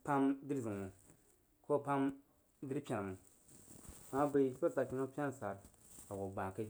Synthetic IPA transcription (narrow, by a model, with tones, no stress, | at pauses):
pa˦mdi˦ɾzi˨mu˨ | kʰo˦pa˦m | di˦ɾpʲa˨n˨mu˨ | a˨a˦be˨˦ko˦ta˨kʲi˨˦no˦pʲa˦n˨sa˨ɾ | a˨wo˨ɡ͡bã˨ka˦d͡ʒ